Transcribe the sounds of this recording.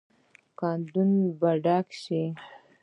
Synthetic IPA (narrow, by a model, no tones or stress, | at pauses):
kɑnd̪unbaɖakʃi